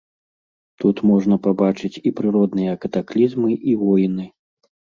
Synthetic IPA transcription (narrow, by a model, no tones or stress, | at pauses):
t̪ut̪mɔʐnɐpabat͡ʂɨt͡sʲipɾɨɾɔd̪nɨjɐkɐt̪aklʲizmɨʔivɔjnɨ